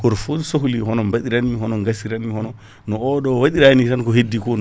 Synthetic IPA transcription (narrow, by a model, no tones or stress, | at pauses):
kɔɾfosohulihɔnɔmbaɗiɾaniɦɔnɔŋɡasiɾanihɔnɔ | nɔɔɗɔwaɗiɾanitankɔhedːikɔn